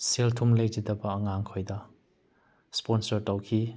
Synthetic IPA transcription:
seltʰumlejd͡ʒidɐbɐːŋaŋkʰojdɐ | sponsɐɾtawkʰi

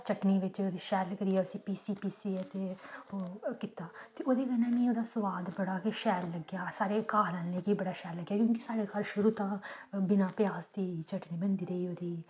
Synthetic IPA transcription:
t͡ʃəʈniːʋɪt͡ʃoːd̪iːʃɛːlkəɾiːɛːʊsĩːpiːsiːpiːsiːɛt̪eː | kɪt̪aːt̪eːʔoːd̪iːkənãːnẽːoːd̪aːsʊʋaːd̪bəɽaːkeʃɛːlːəɡjaːsaːɾeːkaːɦlɛːnneːkibəɽaːʃɛːlləɡjaːkjõːkisaːɽeːkaːlʃʊɾuːt̪ãːbɪnãːpɪjaːsd̪iːt͡ʃəʈniːbə̃nd̪iːɾəiːoːd̪iː

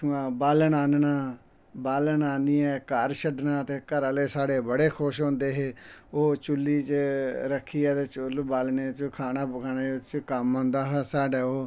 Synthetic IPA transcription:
uãːbaːlnaːnnaː | baːlnaːniːɛːkəɾʃəɖnãːt̪eːkəɾaːleːsaːɽeːbəɽeːkʰʊʃɦõːnd̪eːɦeːoːt͡ʃʊlːiːt͡ʃɾəkʰːiːɛːt̪eːt͡ʃʊlbaːlneːt͡ʃkʰaːnaːbʊkʰaːneːʊt͡ʃkəmɦõːnd̪aːɦɛːsaːɖaːoː

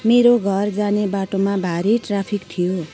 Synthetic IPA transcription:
meɾoɡʱʌrd͡zanebaʈomabʱaɾiʈrapʰikt̪ʰijo

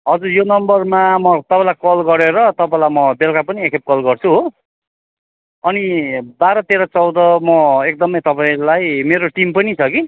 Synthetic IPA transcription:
ɦʌd͡zurjonʌmbʌrmamʌt̪ʌpãlajkʌlɡʌɾeɾʌt̪ʌpãlajmʌbelkapʌniekʰep̚kʌlɡʌrt͡sʰuɦo | ʌnibaɾʌt̪eɾʌt͡sʌwd̪ʌmʌek̚d̪ʌmʌjt̪ʌpaĩlajmeɾoʈimpʌnit͡sʰʌki

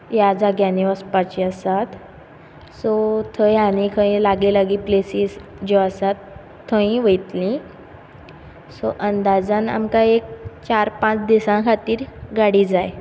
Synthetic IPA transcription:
jad͡zaɡjaniʋəspat͡ɕiasat̪ | sɔt̪ʰəjanikʰə̃ĩlaɡelaɡiːplesisd͡ʑɔasat̪ʰː | əĩʋəjt̪lĩ | sɔʔənd̪ad͡zãna̰mkãek̚t͡ɕaɾpãt͡sd̪isãkʰat̪iːɾɡaɽid͡zaj

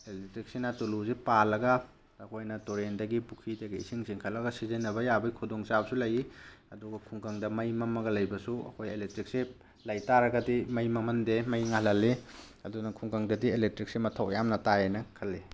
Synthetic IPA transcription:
elek̚tɾik̚sinɐtuluzipalːɐɡɐ | ɐkʰojnɐtoɾendɐɡipukʰidɐɡiḭsiŋsiŋkʰɐlːɐɡɐsizenːɐβɐjabɐikʰudoŋsabɐsulɐjiɐduɡɐkʰuŋkaŋdɐmɐjmɐmɐɡɐlɐjbɐsuɐ̰kʰojelek̚tɾik̚si | lɐjtaɾɐɡɐdimɐjmɐmɐndemɐjŋalɐli | ɐdunɐkʰuŋkaŋdɐdielek̚tɾik̚simɐtʰɐwjamnɐtajajnɐkʰɐlːe

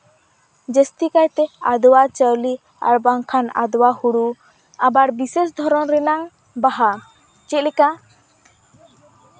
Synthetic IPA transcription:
d͡ʒɛst̪ikajt̪ɛad̪wat͡ʃəwli | a̰ɾbaŋkʰana̰d̪wahuɽu | abaɾbises̬d̪ʱɔɾɔnɾɛnaŋ | baɦa | t͡ʃɛt̪̚ˀlɛka

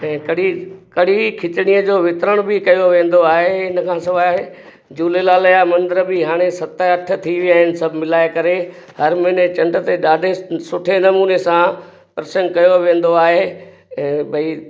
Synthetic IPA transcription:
ɛ̃ːkɐɽikɐɽikʰɪt͡ɕɪɽ̃ijəd͡ʑoːʋɪt̪ɾəɽ̃bɪkɐjoʋẽːn̆d̪oaːɦeɪnəkʰãːsɐʋaːɦe | d͡ʑuːlelaːlɐjamɐ̃nd̪ɪɾbɪɦaːɽ̃esɐt̪əɐʈʰə̆t̪ʰiʋijaːɦɪnɪ̆sɐbʱɪmɪlaːekɐɾehɐɾmɪnet͡ɕɐ̃ɳɖət̪eɗaːɖʱesʊʈʰenɐmuːnesã | pɾsə̃ŋɡ̚kɐjoʋẽːn̆d̪oaːɦe | ɛ̃ːbʱɐi

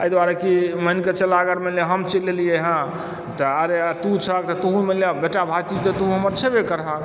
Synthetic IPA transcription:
əjd̪waɾekiməinket͡ʃəlaɡəɾmeleɦəmt͡ʃelelijeɦã | t̪əəɾet̪ũt͡ʃʰək̚t̪ɔt̪əɦũmeljebeʈabʱat͡ʃit̪ət̪əɦũɦəməɾt͡ʃʰebekəɾɦək

